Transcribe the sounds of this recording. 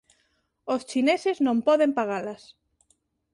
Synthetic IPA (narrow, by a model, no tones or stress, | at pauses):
ost͡ʃineseznõmpɔðempaɣalas